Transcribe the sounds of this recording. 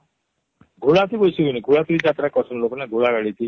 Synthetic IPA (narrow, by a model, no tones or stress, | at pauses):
ɡʱuɭat̪ibojsuɡiniɡʱuɭat̪iɾid͡ʒat̪ɾakɔsɔnlokɔneɡʱuɭaɡɛɭit̪ʰi